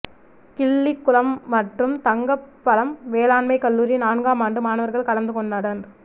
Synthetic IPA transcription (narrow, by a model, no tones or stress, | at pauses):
kɪɭːɪkːʊlɐmːɐʈrɯmt̪ɐŋɡɐpːɐlɐmʋeːlaːnmɐɪkːɐɭːuːɾinaːnɡaːmaːɳɖɯmaːnɐʋɐɾɣɐɭkɐɭɐnd̪ɯkɔɳɖɐɽɐn